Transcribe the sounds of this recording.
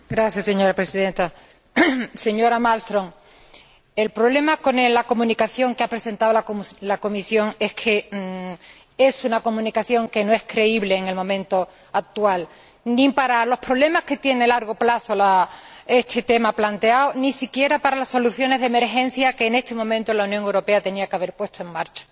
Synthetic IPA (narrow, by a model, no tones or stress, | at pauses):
ɡɾaθjasːe̞ɲo̞ɾapɾe̞siðẽ̞nt̪a | se̞ɲo̞ɾamalst̪ɾo̞ŋ | e̞lpɾo̞βle̞mako̞nelako̞mũnikaθjo̞ŋkeapɾe̞se̞nt̪aolalako̞misjo̞ŋe̞hkʰe̞ | e̞sunako̞mũnikaθjo̞ŋke̞no̞e̞hkɾe̞iβle̞ːŋe̞lmõ̞mẽ̞nt̪o̞ | ak̚t̪ual | nĩpaɾalo̞spɾo̞βle̞mashke̞t̪je̞ne̞laɾɣ̞o̞plaθo̞lae̞st̪ʰe̞t̪e̞maplant̪e̞awonĩsikje̞ɾapaɾalaso̞luθjo̞ne̞zðeme̞ɾxe̞n̟θjake̞ːne̞st̪e̞mõ̞mẽnt̪olaunjoŋe̞wɾo̞pe̞at̪e̞niakeaβ̞e̞ɾpwe̞st̪o̞e̞ŋmaɾt͡ʃḁ